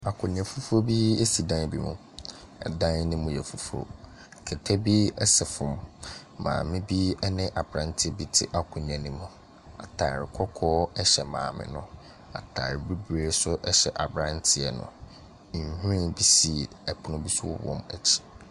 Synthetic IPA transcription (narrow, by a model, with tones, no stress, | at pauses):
a˨kʰʷʊ̃˨nɪ̃˨ã˨fu˦fu˦o˦bi˦e˦si˨dã˦n˦bi˦mʊ̃˨ | ɛ̰˨dã˦n˦nɪ̃˦mʊ̃˦jɛ˨fu˦fu˦o̰˦ | kʰɛ˨tʰɛ˦bi˦ɛ˦sɛ˨fʊ̃˨mː | ã̰ː˨mɪ̃˦bi˦ɛ˦nɪ̃˦ʔa˨bɾã˦n˦tʰɪ˦bi˦tʰɪ˦ʔa˨kʰʊ̃˨ñ˨ã˨nĩ˦mʊ̃˦ | a̰˨tʰaː˨ɾɪ˨kʷʰɔ˦kʰɔː˦ɛ˦ɕɛ˨mã̰ː˨mɪ̰̃˨nʊ̃˦˨ | a̰˨tʰa̰˨ɾbi˦bɾe˦sʊ˦ʔɛ˦ɕɛ˨ʔa˨bɾã˦ntʰɪ˦ɛ˨nʊ̰̃˨ | hũ˦ɾĩ˦bi˦si˨ | ɛ˨pʰʊ˨nʊ̃˦bi˦sʊ˦wɔ̰˨wɔ̰̃˦mæ̰˨t͡ɕʰi̥˨